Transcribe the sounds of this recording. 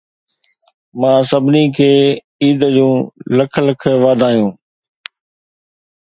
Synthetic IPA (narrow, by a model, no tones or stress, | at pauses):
mãːsɐbʱɪnikʰeː | iːd̪əd͡ʑũːləkʰləkʰʋaːd̪ʱaːijũː